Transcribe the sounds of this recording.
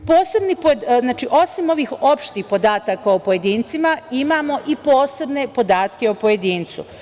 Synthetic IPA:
po̞ːse̞bnipoznaːt͡ʃiʔo̞simo̞ʋiːxo̞pʃt̪iːxpo̞d̪aːt̪akaopo̞je̞d̪iːnt̪simaimaːmo̞ʔipo̞ːse̞bne̞po̞d̪aːt̪ke̞opo̞je̞d̪iːnt̪sṵ

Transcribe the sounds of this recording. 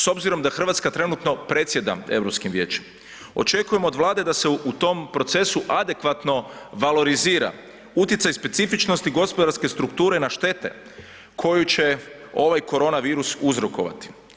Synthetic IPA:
so̞bziɾo̞md̪axr̩ʋat̪skat̪ɾe̞nut̪no̞pɾe̞t̪sʲje̞d̪a̰e̞̰ʋɾo̞pskimʋje̞ːt͡ʃe̥m | o̞̰t͡ʃe̞kuje̞moːd̪ʋlˠaːd̪e̞d̪aseut̪o̞mpɾo̞t̪se̞suʔad̪e̞kʋat̪no̞ʋalo̞ɾiziːɾa̰ | ut̪jesajspe̞t̪sifit͡ʃno̞st̪iɡo̞spod̪aɾske̞st̪ɾukt̪uːɾe̞naʃt̪e̞t̪e̞̰ | kʰo̞jut͡ʃe̞ | o̞ʋajko̞ɾo̞ːnaʋiːɾusuzɾo̞ko̞̰ʋa̰t̪i̥

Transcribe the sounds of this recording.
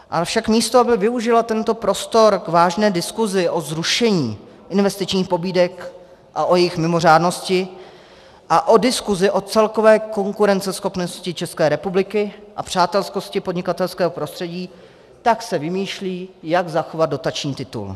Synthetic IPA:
ʔafʃakmiːst̪oabɪvɪuʒɪlat̪ɛnt̪o̞pɾo̞st̪o̞ɾɡvaːʒnɛːdɪskuzɪʔo̞zɾuʃɛɲḭː | ʔɪnvɛst̪ɪt͡ʃɲiːxpo̞biːdɛk | ʔaʔo̞jɛjɪxmɪmo̞r̝aːdno̞scɪ | ʔaʔo̞dɪskuzɪʔo̞t͡sɛlko̞vɛːko̞ŋkuɾɛnt͡sɛsxo̞pnoscɪt͡ʃɛskɛːɾɛpublɪkɪʔa̰pr̝̥aːt̪ɛlsko̞scɪpodɲɪkat̪ɛlskɛːɦopɾost̪r̥ɛɟiː | t̪aksɛvɪmiːʃliːjaɡzaxo̞vad̪̚do̞t̪at͡ʃɲiːt̪ɪt̪ṵl

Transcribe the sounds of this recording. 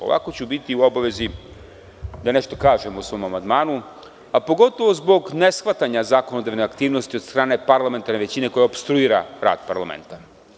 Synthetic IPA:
o̰ʋa̰ko̞t͡ɕubit̪iuo̞baʋe̞zi | d̪ane̞ʃt̪o̞kaːʒemousʋo̞ːmamand̪maːnu | apo̞ɡo̞t̪oʋo̞zbo̞ɡne̞sxʋat̪aɲazaːkonod̪aʋneakt̪iːʋno̞st̪iost̪ɾaːne̞paɾlˠame̞nt̪aɾne̞ʋe̞t͡ɕine̞ko̞jaopst̪ɾuiːɾaɾa̰ːd̪̥pa̰ɾlˠa̰mḛnt̪a

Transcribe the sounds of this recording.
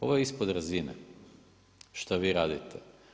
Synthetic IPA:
ovajispod̪ɾazinɛ | ʃt̪aʋiɾad̪it̪ʰɛ

